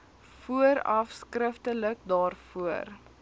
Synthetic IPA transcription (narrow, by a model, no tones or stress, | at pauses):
fuəɾɐ̰fskrəftələk̚dɑːrfuər